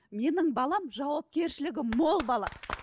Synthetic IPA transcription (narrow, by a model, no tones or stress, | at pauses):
me̞nɪŋbɑlˠɑmʒɑwɑp̚kʲe̞ɾʃɪlɪɡʲɪmmo̞lˠbɑlˠɑ̰